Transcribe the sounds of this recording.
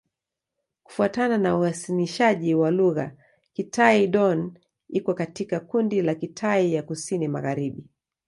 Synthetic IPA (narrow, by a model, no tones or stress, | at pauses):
ku̥fuatananauhasiliʃaʄiwaluɣa̰ | kitʰaiɗɔn | ikɔkatikakundilakitʰaijakusinima̰ɣaɾiɓi